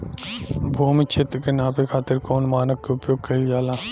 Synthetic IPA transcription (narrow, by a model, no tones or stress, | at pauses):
bʱuːmit͡ʃʰet̪ɾkenãːpekʰaːt̪ɪɾkoːnmaːnəkkeʊpjoːɡ̚kɐid͡ʒaːlaː